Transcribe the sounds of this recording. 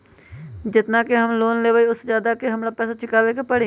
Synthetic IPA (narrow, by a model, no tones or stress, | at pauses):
d͡ʒɪt̪naːkeɦəmloːnleːʋaiʊszjaːd̪akeɦɐmɽaːpɛːsat͡ʃʰɪkaːʋekepəɽe